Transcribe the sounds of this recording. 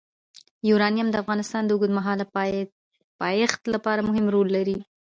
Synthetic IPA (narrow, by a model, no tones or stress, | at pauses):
juɾɑnijamd̪əafɣɑnɪst̪ɑnd̪əuɡud̪maɦɑl | pɑjext̪lapɑɾamʊɦɪmɾolːaɾi